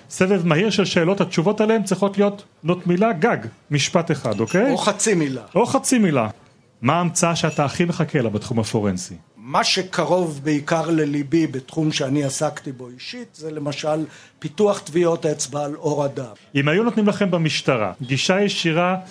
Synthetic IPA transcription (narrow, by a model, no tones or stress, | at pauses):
sevevmahiʁʃelʃe̞ːlo̞thatʃuvo̞taleemt͡sʁiχo̞tlijo̞t | notmilaɡaɡ | miʃpateχa̰dokejoχat͡similaʔo̞χat͡simila | maːmt͡saaʃeataːχime̞χakʰe̞labat̪χumhafo̞ʁensimaʃekʰaʁo̞vbeikaʁlelibibet̪χumʃeaniasakt̪iboiʃit̪zelemaʃalpituaχt̪vio̞t̪aet͡sbaloʁad̪amimajunotnimlaχe̞mbamiʃtaʁa̰ɡiʃajeʃiʁa